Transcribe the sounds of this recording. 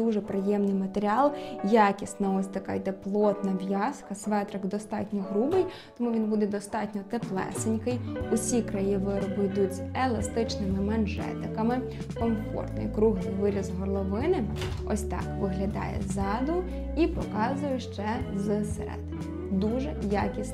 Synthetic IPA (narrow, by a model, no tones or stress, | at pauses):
uʒɛpɾɪjɛmnɪjmɐt̪eɾʲiɑlˠjɑkʲisnɐɔsʲt̪ɐkɑ̰jd̪ɛplˠɔt̪nɐʋʲjɑskɐsʋɛt̪ɾɐkd̪ɔst̪ɑ̰tʲnʲɔɦɾubɪj | t̪ɔmuʋʲinbud̪ɛd̪ɔst̪ɑtʲnʲɔt̪eplˠɛ̰sɪnʲkɐjʊsʲikɾɐjiʋɪɾɔbɪjd̪uzʲelˠɐst̪ɪt͡ʃnɪmɪmɐnʒɛ̰t̪ɪkɐmɪ | kɔmfɔ̰rt̪nɔ̰jkɾuɦnɪjʋɪɾʲizɦɔlˠɔʋɪnɪɔ̰sʲt̪ɑ̰kʋɪɦlʲɐd̪ɑ̰jɛ̰zɑd̪ʊ | ipɔkɑzʊjʊʃt͡ʃɛzsḛɾɛ̰d̪ | d̪uʒɛja̰kʲisʲ